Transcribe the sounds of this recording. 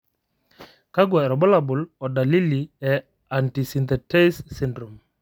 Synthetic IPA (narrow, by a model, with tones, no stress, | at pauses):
ka˦ɡwɛ˨ɾɔ˨bɔ˦la˨bʊ˨lɔ˨da˨li˦li˨ɛ˨ | a˨nti˨si˨nt̪ɛ˨tɛ˦sːi˦ndɾo˨m